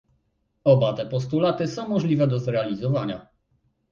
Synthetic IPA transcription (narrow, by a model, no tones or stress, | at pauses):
ɔbat̪ɛpɔst̪ulat̪ɘsɔ̃w̃mɔʐlʲivɛd̪ɔzɾɛalʲizɔvaɲa̰